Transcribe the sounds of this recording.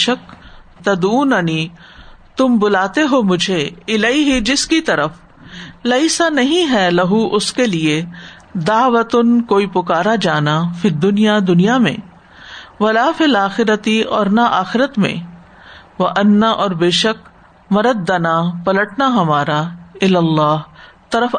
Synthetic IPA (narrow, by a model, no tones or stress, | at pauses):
ʃəkt̪ɐd̪uːnɐni | t̪ʊmbʊlaːt̪eɦomʊd͡ʒʱeɪlɐiɦid͡ʒɪskit̪ɐɾəf | lɛɪsanɐɦĩɦɛlɐɦuʔʊskelie | d̪aːʋət̪ʊnkoːipʊkaːɾad͡ʒaːnafɪd̪ːʊnijad̪ʊnijamḛ̃ː | ʋɐlaːfɪlaːxɪɾət̪iɔːɾnaʔaːxɪɾət̪mḛ̃ | ʋɐʔɐnːaʔɔːɾbeːʃək̚ | mɐɾəd̪̚ːɐnapɐləʈnaɦɐmaːɾaɪlɐlːaːɦt̪ɐɾəf